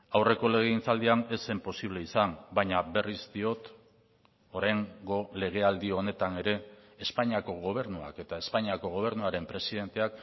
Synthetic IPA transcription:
awre̞ko̞le̞ɣ̞e̞int͡sald̪iane̞sempo̞siβle̞isambajɲaβe̞rizd̪io̞t̪ | o̞ɾajŋɡo̞le̞ɣ̞e̞ald̪io̞ne̞t̪ane̞ɾe̞ːspaɲiako̞ɣ̞o̞β̞e̞ɾnua̰ke̞t̪ae̞spaɲiako̞ɣ̞o̞βe̞ɾnuaɾe̞mpɾe̞sið̞e̞nt̪e̞ak

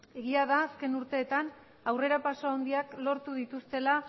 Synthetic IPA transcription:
e̞ɣiaðaːske̞nuɾt̪e̞ːt̪an | awre̞ɾapaso̞awnd̪iaklo̞ɾt̪uðit̪ust̪e̞la

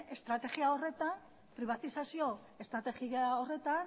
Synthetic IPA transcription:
ʔest̪ɾat̪e̞ɣiao̞re̞t̪an | pɾiβat̪isasio̞ | e̞st̪ɾat̪exiaore̞t̪an

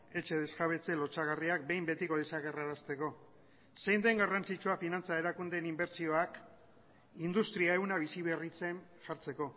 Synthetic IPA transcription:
e̞t͡ʃe̞ðe̞skaβ̞e̞t͡se̞lo̞t͡saɣariak̚be̞jmbe̞t̪iko̞ðesaɣeraɾast̪e̞ko̞ | se̞jnd̪e̞ŋɡarant͡sit͡ʃuafinant͡sae̞ɾakund̪e̞nimbe̞ɾt͡sio̞ak | ind̪ust̪ɾiae̞wnaβisiβe̞rit͡se̞nʝaɾt͡se̞ko̞

